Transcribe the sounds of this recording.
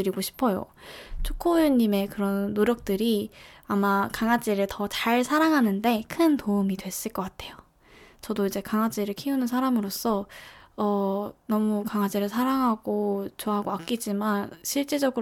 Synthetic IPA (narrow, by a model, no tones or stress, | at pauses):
ɯɾiɡoɕʰi̥pʰʌjo̰ | t͡ɕʰokʰojuɲːime̞kɯɾʌnːoɾjʌk̚t͈ɯɾiamakaŋad͡ʑ͈iɾɯɭtʌt͡ɕaɭsʰaɾaŋɦanɯnde̞kʰɯntoumidwe̞s͈ɯɭk͈ʌk͈atʰe̞jo | t͡ɕʌdoid͡ʑe̞kaŋad͡ʑiɾɯɭkʰiunɯnsʰaɾamɯɾos͈ʌʌnʌmukaŋad͡ʑiɾɯɭsʰaɾaŋɦaɡ̥ot͡ɕoaɦaɡoak͈id͡ʑimanɕʰiɭt͡ɕ͈ed͡ʑʌɡɯ